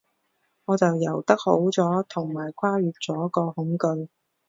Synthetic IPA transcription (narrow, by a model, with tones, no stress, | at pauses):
ŋɔː˨˧t͡sɐ˨wjɐ˨˩wt̪ɐ˥k̚ho˨˥wt͡sɔː˨˥t̪ʰʊ˨˩ŋmaː˨˩jkʰaː˥ɥyː˨t̚t͡sɔː˨˥kɔː˧hʊ˨˥ŋkɵ˧ɥ